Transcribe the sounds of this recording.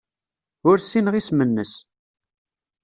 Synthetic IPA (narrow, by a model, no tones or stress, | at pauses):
ʊɾsinəʁismənːəs